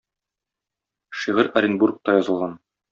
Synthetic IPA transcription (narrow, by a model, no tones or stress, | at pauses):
ʃiʁɘɾɐɾʲinburk̚t̪ɑjɒzɤ̆lˠʁɑn